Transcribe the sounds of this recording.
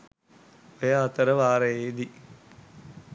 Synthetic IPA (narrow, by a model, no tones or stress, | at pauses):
ʋejaːt̪əɾəʋaːɾɐjeːd̪i